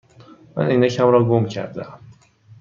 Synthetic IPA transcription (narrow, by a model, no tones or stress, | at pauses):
mæ̰nʔiːnæcʰæmɾɒːɡomcʰæ̰ɾd̪eæm